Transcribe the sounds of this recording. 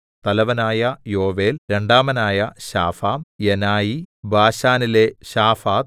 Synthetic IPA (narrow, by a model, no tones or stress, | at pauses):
t̪ɐlɐʋɐnaːjɐjo̞ːʋe̞ːlɾe̞ɳɖaːmɐnaːjɐɕa̰ːfaːmjenaːjibʱaːɕaːnileɕaːfaːt̪̚